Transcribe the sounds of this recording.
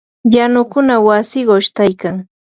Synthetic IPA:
janʊkʊnawasɪɢʃt̪ajkaŋ

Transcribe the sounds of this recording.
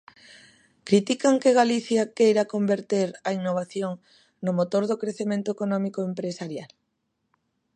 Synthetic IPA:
kɾit̪ikaŋkeɣaliθjakejɾakombeɾt̪eɾɐinːoβ̞aθjoŋ | nʊmot̪oɾðokɾeθemẽnt̪ʊekonɔmikoempɾesaɾjal

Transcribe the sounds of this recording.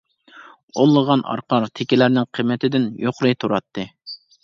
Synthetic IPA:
olˠːəʁɑnɑ̰ɾqʰɑɾt̪ʰekʲilæɾnɪŋqʰəmːɪt̪ʰɪd̪ɪnjoqɾɨt̪ʰuɾɑt̪ʰːɨ

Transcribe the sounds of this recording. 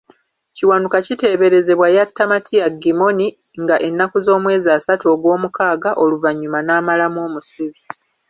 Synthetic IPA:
ciwanukacite̞ːβe̞ɾe̞ze̞βwajatːamatʰiaɡimo̞ni | ŋɡaʔe̞nːakuzo̞ːmwe̞ːziaːsatoːɡwo̞ːmukaːɡaʔo̞luvaɲːumanaːmalamo̞ːmusiβi

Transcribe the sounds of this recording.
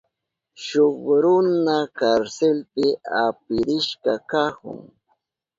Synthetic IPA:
ʃoχɾʊnakaɾselpɪapɪɾɪʃkɑkahʊ̰ŋ

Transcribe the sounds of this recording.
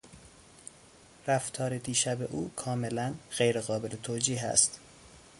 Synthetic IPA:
ræft̪ʰɒːɾed̪iːʃæbeʔuːkʰɒːme̞lænɢejɾeɣɒːbe̞let̪ʰoːd͡ʒiːɦæ̰st̪

